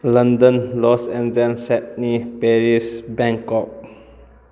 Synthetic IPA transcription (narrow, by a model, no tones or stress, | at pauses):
lãndə̃nlɔsɛ̃ndɛ̃nsɛt̚nipɛɹisbɛ̃ŋkɔp̚